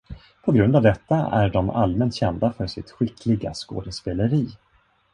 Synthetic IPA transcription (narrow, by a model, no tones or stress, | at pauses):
pʰɔɡɾɵnd̪avd̪ɛt̪ːaʔæ̰ɖɔma̰lmɛnt̪ɕɛnd̪afœʂɪt̪ɧɪkʰːlɪɡa̰sko̰ːd̪əspeːləɾiː